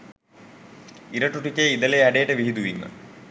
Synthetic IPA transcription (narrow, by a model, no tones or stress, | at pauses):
iɾɐʈːuʈːukʲːeiðɐleɐɖeːʈːɨʋiɦid̪uʋḭŋːɨ̰